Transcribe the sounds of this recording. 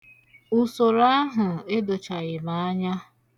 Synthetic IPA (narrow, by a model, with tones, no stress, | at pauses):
u˨so˨ɾa˦ɦʊ˨e˦do˨t͡ʃa˨ɣɪ˨ma˨a˦ɲa˦